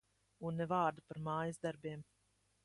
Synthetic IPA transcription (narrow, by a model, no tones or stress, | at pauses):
unːɛvɑːɾd̪apaɾmɑːjazd̪aɾbʲiɛm